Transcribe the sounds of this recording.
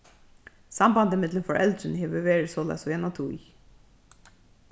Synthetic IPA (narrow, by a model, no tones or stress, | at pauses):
sɑmbɑnd̪əɪmɪd̪lənfɔɹʔɛld̪ɾənəheːʋəʋeːɹəsoːlæ̰ɪsɔjɛnɔt̪ʰu